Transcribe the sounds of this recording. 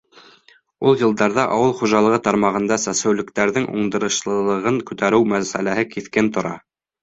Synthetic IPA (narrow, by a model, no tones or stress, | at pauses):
ulˠjɤ̆lˠd̪ɑɾðɑʔɑwɤlˠχuʒɑlˠɤ̆ʁɤt̪ɑɾmɑʁɤ̆nd̪ɑsæsɘ̆wlɘ̆k̚t̪æɾðɘŋṵɴd̪ɤ̆ɾɤ̆ʃlˠɤ̆lˠɤ̆ʁɤŋkʉt̪æɾɘwmæsæ̰læɦɘkiθkɘnt̪ŏɾɑ̰